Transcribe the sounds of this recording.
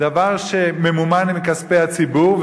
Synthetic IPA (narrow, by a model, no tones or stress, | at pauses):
davaʁʃememumanimkaspehat͡sibuʁv